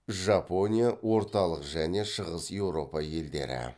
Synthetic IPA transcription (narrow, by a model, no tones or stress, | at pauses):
ʒɑpo̞nʲijawo̞ɾt̪ɑlˠəqʒæne̞ʃəʁəsje̞wɾo̞pɑje̞ld̪e̞̰ɾɪ̰